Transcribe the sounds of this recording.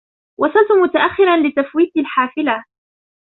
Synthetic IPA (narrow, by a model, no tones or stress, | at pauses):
wʔɑsˤɑlt̪ʊmʊt̪aʔaxːɪɾanlɪt̪afwiːt̪alħaːfɪla